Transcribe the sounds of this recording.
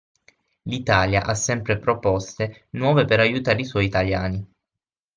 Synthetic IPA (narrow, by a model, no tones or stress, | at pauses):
lit̪aːljaʔasːɛmpɾepɾopɔst̪e | nwɔːvepeɾajut̪aːɾiswɔjit̪aljaːni